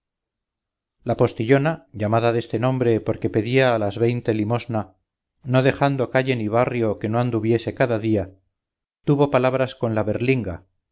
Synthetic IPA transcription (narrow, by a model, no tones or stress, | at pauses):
lapo̞st̪iʎo̞naʝamaðaðe̞st̪e̞nõ̞mbɾe̞po̞ɾke̞pe̞ðiaːlazβe̞jnt̪e̞limo̞zna | no̞ðe̞xand̪o̞kaʎe̞niβ̞arjo̞ke̞no̞and̪uβje̞se̞kaðaðia | t̪uβo̞palaβ̞ɾasko̞nlaβe̞ɾliŋɡa̰